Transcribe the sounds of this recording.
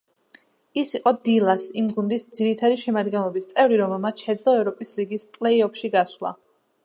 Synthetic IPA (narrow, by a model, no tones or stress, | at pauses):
isiqʼɔd̪ilˠasimɡund̪isd̪z̥iɾit̪ʰad̪iʃɛmad̪ɡɛnlˠɔbist̪sʼɛvɾiɾɔmɛlˠmat̪ʃɛd̪zlɔɛvɾɔpʼisliɡispʼlɛiɔpʃiɡaswlˠa̰